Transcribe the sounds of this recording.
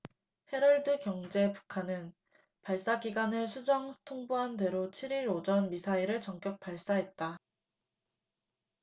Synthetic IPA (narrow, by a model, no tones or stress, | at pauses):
he̞ɾʌɭdɯkjʌŋd͡ʑe̞pu̥kʰanɯn | paɭs͈aɡiɡanɯɭsʰud͡ʑʌŋtʰoŋboɦande̞ɾot͡ɕʰiɾiɾod͡ʑʌnmisʰaiɾɯɭt͡ɕʌŋk͈jʌk̚p͈aɭs͈aɦe̞t̚t͈a